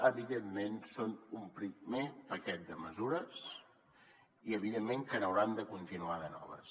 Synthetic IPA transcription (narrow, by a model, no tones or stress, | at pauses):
əβiðemːensonumpɾimepəkɛt̪̚d̪əməzuɾəs | iəβ̞iðemːeŋkənəwɾand̪əkunt̪inuaðənɔ̰β̞ə̰s